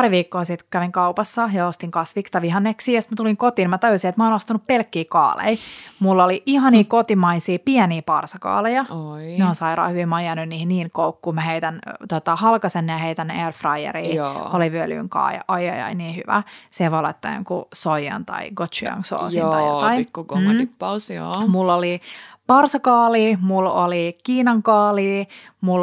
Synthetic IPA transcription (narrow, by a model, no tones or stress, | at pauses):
pɑɾiʋiːkːoːsit̪ku̥kæʋiŋkɑupɑsːɑjɑost̪iŋkɑsʋikst̪ɑʋihɑnːeksiːjest̪mæt̪uliŋkot̪iːmɑt̪ɑjusiet̪mæoːnost̪ɑnuppelkːiːkɑ̰ːlḛimulːoliʔihɑniːkot̪imɑisiːpiɛniːpɑrsɑkɑ̰ːlejɑneonsɑiɾɑ̰ːhyʋimɑjɑnynniːhinniːnkoukːuːmæheit̪ænt̪ot̪ɑhɑlkɑsenːjɑheit̪ænːerfrɑjḛɾiːoliʋyøly̰ːŋkɑ̰ːjɑ̰ʔɑjɑ̰jɑ̰iniːhyʋæ̰seʋolɑ̰t̪ːɑ̰ŋkusojɑ̰nt̪ɑ̰iɡot̪t͡ʃuɑ̰ŋso̰ːsjinːɑjɑ̰t̪ɑikːm̩ipːɑso̰ːmulːolipɑrsɑkɑːliːmulolikiːnɑŋkɑːliː | mul